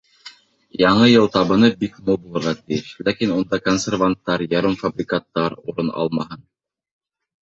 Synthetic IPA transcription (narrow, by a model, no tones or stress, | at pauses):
jɑɴɤjɤlˠt̪ɑβɤ̆nɤbikmubulˠɤ̆ɾʁɑt̪ɘ̆jɘʃlækinund̪ɑkonsʲervant̪ːɑɾjɑɾɤmfabrʲɪkat̪ːɑɾṵɾɤnɑ̰lˠmɑhɤn